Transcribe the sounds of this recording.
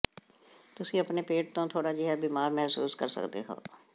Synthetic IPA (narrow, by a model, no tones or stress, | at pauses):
t̪ʊsĩəpnepeːʈ̚t̪õːt̪ʰoːɽaːd͡ʒɪɦɛbiːmaːɾmɛɦsṵːskə̰ɾsə̰kd̪ḛɦo̰ː